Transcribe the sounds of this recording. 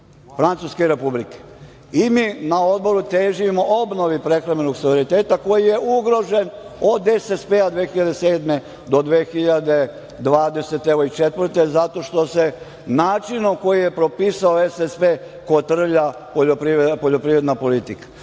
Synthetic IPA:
fɾant̪suskeɾe̞publike̥ | imiːnao̞d̪bo̞ɾut̪eːʒimo̞ʔobno̞ʋipɾe̞xɾamenoɡsoʋeɾit̪e̞ːt̪ako̞jije̞ʔuɡɾo̞ʒe̞no̞d̪esespead̪ʋeːxiʎad̪ese̞ːd̪me̞ | d̪o̞d̪ʋeːxiʎad̪e̞ | d̪ʋaːd̪e̞se̞t̪eʋoit͡ʃet̪ʋr̩t̪e̞zat̪o̞ʃt̪o̞se̞ | naːt͡ʃinomko̞jijepɾo̞piːsaoesespe | ko̞t̪r̩ʎa | poʎopɾiepo̞ʎo̞pɾiːɾe̞d̪napo̞lit̪ikḁ

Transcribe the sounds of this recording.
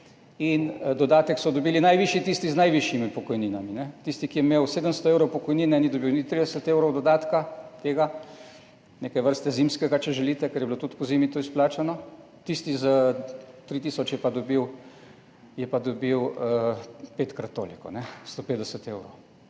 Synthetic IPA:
ind̪ɔd̪aːt̪ɛksɔd̪obiːlinajʋiʃit̪iːst̪iznajʋiʃjimipɔkɔjninaminɛt̪ist̪ikijɛmewseːd̪əmst̪ɔewɾowpɔkɔjniːnɛnid̪obiwnit̪ɾid̪ɛsət̪ewɾɔwd̪ɔd̪aːt̪kat̪eːɡa | neːkajʋəɾst̪ɛzimskɛɡat͡ʃɛʒɛlit̪ɛkɛɾjɛbilot̪ut̪kɔzimit̪oːisplaːt͡ʃanɔ | t̪ist̪izat̪ɾit̪iːsɔt͡ʃjɛpad̪obiw | jɛpad̪obiwəpet̪kɾat̪ːo̰ːlikɔ̰nɛst̪oped̪ɛsət̪eːwɾow

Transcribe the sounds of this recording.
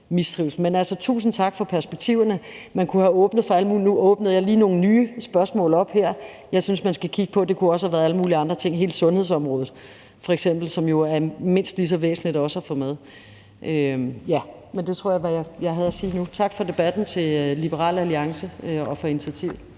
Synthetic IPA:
misd̥ʁiʊs̩menælsɒt͡sʰṵːsn̩t͡sʰɑ̈ɡ̥fɒ̽pʰæɐsb̥eɡ̥̚t͡sʰiʊ̰ɐnəmænkʰuæɔ̽ːb̥nəð̞̩ˠfɑæləmuːlnuʔɔ̽ːb̥nð̞̩ˠjɑ̈ɪliːno̝ːn̩nyːsb̥ɶɐsmɔ̰̽ːlɒ̽b̥heɐ̰ | jɑ̈ɪsynsmænsɡ̥ækʰiɡ̥ə̥pʰɒ̽d̥e̝kʰuɒ̽sə̥hæʋæːɐðˠæləmuːliɑ̈nd̥ʁɐt͡sʰe̝ŋ̰ɦe̝ːld̥sɔ̽nhe̝ðˠsɒ̽mʁɔ̽ːðð̩ˠ | fɒ̽eɡ̥sem̰b̥l̩sɒ̽mjo̝æɐme̝n̰sd̥lis̬ɒ̽ʋḛːsn̩lid̥ɒ̽səæfɔ̽með̞ˠ | ʔøjæ | mend̥e̝t͡sʰʁo̝ɐ̰jɑɪʋæjajɑ̈ɪɦæð̩ˠæsiːnut͡sʰɑ̈ɡ̥fɒ̽d̥e̝b̥æd̥n̩t͡sʰe̝lib̥əʁɑ̰̈ːlæliɑ̈ŋsəøɒ̽fɒ̽init͡sʰiæt͡sʰiʊ̰

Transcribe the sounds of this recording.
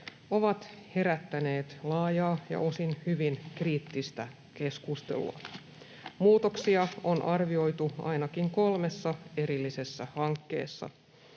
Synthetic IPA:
o̞ʋɑt̪he̞ɾæt̪ːæne̞ːt̪lɑːjɑːjɑ̰ʔo̞sinhyʋinkriːt̪ːist̪æ | ke̞skust̪e̞̰lṵɑ̰ | muːt̪oksiɑonʔɑrʋio̞jt̪uɑ̰jnɑkiŋko̞lme̞sːɑe̞ɾilːise̞sːæhɑŋkːe̞̰ːsːɑ̰

